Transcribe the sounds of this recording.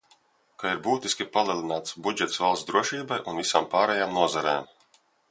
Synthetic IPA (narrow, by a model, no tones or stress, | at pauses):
kaiɾbuːt̪iskʲipalˠiɛlˠinaːt̪sbud͡ʒɛt̪svalˠsd̪ɾuɔʃiːbajʔunvisaːmpaːɾɛjaːmnuɔzaɾɛ̰ːm